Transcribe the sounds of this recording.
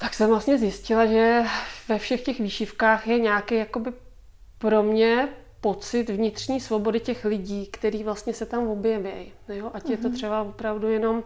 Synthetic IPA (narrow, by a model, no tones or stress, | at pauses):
t̪aksɛmvlast̪ɲɛzjɪscɪlaʒɛvɛfʃɛxcɛxviːʃɪfkaːxjɛɲaːkɛjjako̞bɪ | pɾo̞mɲɛ | po̞t͡sɪt̪vɲɪt̪rɲiːsvo̞bo̞dɪcɛxlɪɟiːkt̪ɛɾiːvlast̪ɲɛsɛt̪amvo̞bjɛvjɛj | joʔacjɛt̪ot̪r̥ɛbavopɾavdujɛno̞m